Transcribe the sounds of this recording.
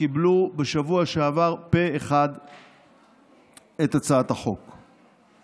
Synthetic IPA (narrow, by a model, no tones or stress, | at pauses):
kiblubeʃavuaʃeavaʁpe̞eχad̪ | et̪at͡saat̪haχo̞k